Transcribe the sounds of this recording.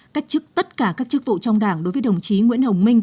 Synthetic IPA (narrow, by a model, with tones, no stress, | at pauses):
ka˦˥jk̟̚t͡ɕɨ˦˥k̚t̪ə˦˥t̚kaː˧˩kaː˦˥k̚t͡ɕɨ˦˥k̚vṵ˧˨t͡ɕɔ˧wŋ͡mɗaː˧˩ŋɗo˨˦jvəː˨˦jɗə˨˩wŋ͡mt͡ɕi˨˦ŋwi˧˥ənhə˨˩wŋ͡mmï˧ŋ̟